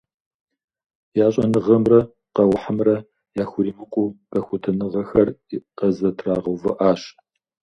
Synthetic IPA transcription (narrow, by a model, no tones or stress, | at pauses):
jaːɕʼɐnɨʁɐmrɐ | qɐwʊħamrɐ | jaːxʷʊɾiːmɨqʷʼub̥ɐxʷʊtʰɐnɨʁɐxɐriqɐzɐtʰraːʁɐvɨʔaːɕ